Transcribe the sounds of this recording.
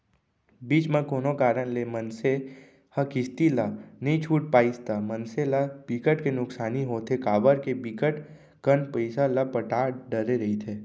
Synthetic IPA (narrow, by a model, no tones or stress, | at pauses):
biːt͡ʃmẽkoːnokaːɾənlemənse | həkɪst̪ilanɐɦĩt͡ʃʰuːʈ̚paːist̪amənselab̥ikəʈkenʊksaːniɦoːt̪ʰekaːbəɾkebiːkəʈ | kənpəɪsalapəʈaːɖəɾeɾɐɦit̪ʰeː